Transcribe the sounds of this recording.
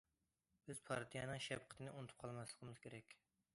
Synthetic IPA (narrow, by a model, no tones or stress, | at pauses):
b̥ɪz̥pʰɑɾt̪ʰijɑnɨŋʃɛbqʰə̥t̪ʰɨnɪʔunt̪ʰʊ̥p̚qʰɑlˠmɛslˠəqmɪz̥kʲʰeɾɛkʲ